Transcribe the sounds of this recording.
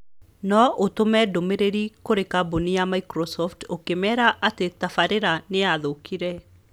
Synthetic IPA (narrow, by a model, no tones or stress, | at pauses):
nɔʔotomɛdomeɾeɾikoɾekabonijamaikɾɔsɔftokemɛɾaʔatetafaɾeɾaneaðokʰiɾɛ